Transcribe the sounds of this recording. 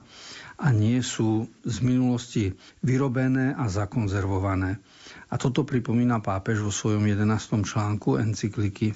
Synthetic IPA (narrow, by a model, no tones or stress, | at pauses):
aɲɪɛsuːzminulɔsciʋiɾɔbɛnɛːʔazakɔnzɛɾʋɔʋanɛː | at̪ɔt̪ɔpɾipɔmiːnapaːpɛʒʋɔsʋɔjɔmjɛd̪ɛnaːst̪ɔmt͡ʃlaːŋkuɛ̰nt͡sikliki